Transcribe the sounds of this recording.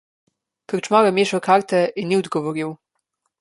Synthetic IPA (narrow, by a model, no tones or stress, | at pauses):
kəɾt͡ʃmaɾɛmeːʃɐwkʰaːɾt̪ɛinːiɔd̪ɡɔʋɔɾiw